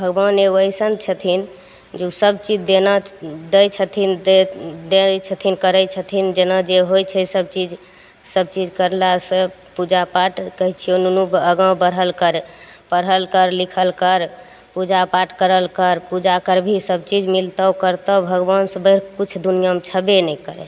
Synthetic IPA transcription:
bʱəɡbaneɡoəjsənt͡ʃʰət̪ʰin | d͡ʒeusəb̚t͡ʃid͡ʒd̪enad̪əjt͡ʃʰət̪ʰin | d̪et͡ʃʰət̪ʰinkəɾəjt͡ʃʰət̪ʰind͡ʒenad͡ʒeɦojt͡ʃʰəsəb̚t͡ʃid͡ʒ | səb̚t͡ʃid͡ʒkəɾlasə | pud͡ʒapaʈkəɦit͡ʃʰionunubəɡãwbəɾɦəlkəɾ | pəɾɦəlkəɾlikʰəlkəɾ | pud͡ʒapaʈkəɾəlkəɾpud͡ʒakəɾbʱisəb̚t͡ʃid͡ʒmilt̪əwkəɾt̪əbʱəɡbansəbəɾkut͡ʃʰd̪unijamet͡ʃʰəbenɛkəɾɛ̰

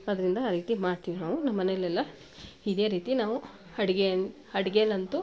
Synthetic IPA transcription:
ɐd̪ɐɾind̪ɐaːɾiːt̪imaːɽt̪iːʋinaːʋunɐmːɐnelːɛlːɐ | id̪e̞ːɾiːt̪inaːʋu | ɐɽiɡe | ɐɽiɡelɐnt̪u

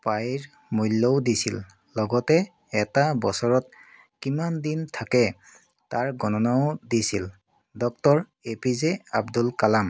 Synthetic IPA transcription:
pajɹ | mujlːɔdisḭlː | ɔɡɔtɛ | ɛtabɔsɔɹɔt | kimandintʰakɛ | taɹɡɔnɔnaʊdisil | dɔk̚tɔɹ | epizeabdulkalam

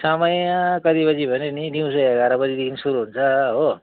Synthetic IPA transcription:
samʌjakʌd̪ibʌd͡zibʱʌneniniw̃sʌjaɡaɾabʌd͡zid̪ekʰinsuɾuɦunt͡sʰʌɦo

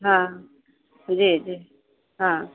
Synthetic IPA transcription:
ɦã | d͡ʒid͡ʒi | ɦã

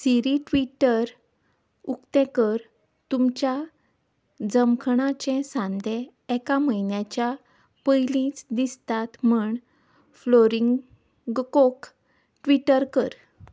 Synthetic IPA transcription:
siɾiʈʋiʈəɾ | ukt̪ɛ̃kəɾ | t̪umt͡ɕja | d͡zəmkʰɳat͡ɕɛ̃sãnd̪ʱẽ | ɛkaməinjat͡ɕja | pəjlĩt͡sd̪ist̪at̪m̤əɳ | floɾiŋ | ɡkok | ʈʋiʈəɾkəɾ

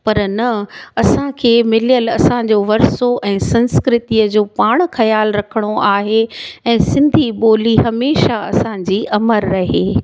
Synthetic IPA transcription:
pɐɾnɐɐsãkʰeːmɪljəlɐsã̆d͡ʑoːʋɐɾsoʔɛ̃ːsɐ̃nskɾɪt̪iəd͡ʑoːpaːɽ̃xɐjaːlɾɐkʰəɽ̃oʔaːɦeɛ̃ːsɪ̃nd̪ʱiɓoːliɦɐmeːʃaɐsãd͡ʑiːʔɐməɾːɐɦeː

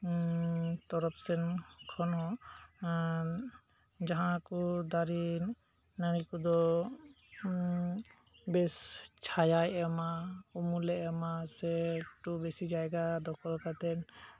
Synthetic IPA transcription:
t̪ɔɾɔpsɛnkʰɔnɦɔ̃ | d͡ʒaɦãkud̪aɾi | naɾikud̪ɔ | bɛst͡ʃʰajajɛmaumulɛʔɛmasɛʈubesid͡ʒajɡad̪ɔkʰɔlkat̪ɛn

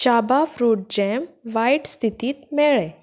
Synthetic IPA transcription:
t͡ɕabafɾuːʈ̚d͡ʑemʋajʈst̪ʰit̪iːt̪mɛɭe

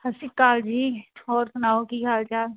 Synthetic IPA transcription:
hɐsikaːld͡ʒiːɔːɾsʊnaːokikaːlt͡ʃaː

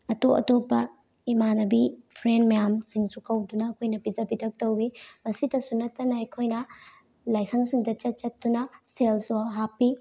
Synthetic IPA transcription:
ɐtoɐ̰topːɐ | imanɐbipʰɾenmɐjamsiŋsukʰɐwdunɐːkʰojnɐbid͡ʒɐbidʰʱɐk̚tɐwbimɐsidɐsunɐtːɐnɐːjkʰojnɐ | lajsɐŋsiŋdɐt͡ʃɐt̚t͡ʃɐtːunɐselsoɦapːi

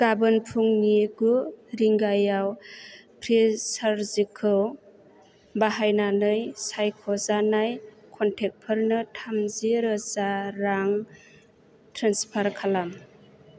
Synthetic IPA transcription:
ɡ̥abɯnpʰuŋniɡuɾiŋɡajawpʰɾisaɾzikʰɯw | baɦajnanɯjsajkʰɔzanajkʰɔntʰek̚pʰəɾnɯtʰamziɾɯzaɾaŋ | tʰɾanspʰaɾkʰalam

